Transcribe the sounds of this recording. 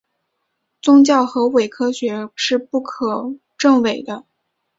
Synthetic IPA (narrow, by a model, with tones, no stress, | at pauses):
t͡sʊ˥ŋt͡ɕjɑ˥˩ʊxɤ˧˥we˨˩ɪkʰɤ˥ɕɥɛ˧˥ʂɻ̩˥˧pu˥˩kʰɤ˨˩ | ʈ͡ʂɤ˥˩ŋwe˨˩ɪd̪ə˦